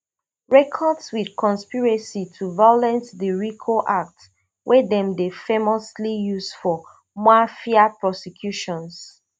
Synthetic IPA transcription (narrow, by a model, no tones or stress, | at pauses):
ɹɛkʰɔdswidkʰɔ̃nspiɹɛsitʰuvajɔlɛ̃ntdiɹikʰoʔak̚t | wʔɛdɛ̃mdefemɔslijusfɔ | mafiapɹɔsɛkʰjuʃɔ̃ns